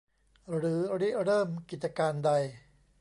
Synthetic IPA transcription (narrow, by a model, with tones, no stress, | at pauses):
ɾɯː˩˦ɾi˦˥˩ɾɤː˥˩mki˨˩t̪̚t͡ɕa˧kaː˧nda˧j